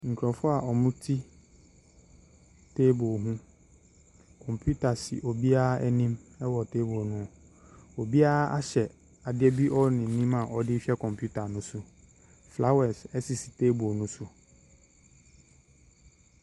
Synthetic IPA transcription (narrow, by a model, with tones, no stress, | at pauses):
ŋ̩˨kʰɾɔ˨fʊ˦a˨ʔɔ˨mʊ̃˦tʰi˦ | tʰe˦bo˨ɦũ˦ | kʰɔ̃˨mpʰju˦tʰa˨sɪ̰˨ʔo˨bi˦a˦ɛ˦nĩ˦mɛ˦wɔ˨tʰeː˦bo˨ɔ˨nʊ̃˨˦˨ | o˨bi˦a˦a˦ɕɛ˨ | a˨dɪ˦ɛ˦bi˦ʔɔ˦nɪ̃˨n̩˨nĩ˦ma˨ʔɔ˦dɪ˦fɛ˦kʰɔ̃˨mpʰju˦tʰa˨nʊ̃˦sʊ˨ | fla˦wɛ˨sɛ˦sɪ˨si̥˨tʰeː˦bo˨ɔ˨nʊ̃˦sʊ˨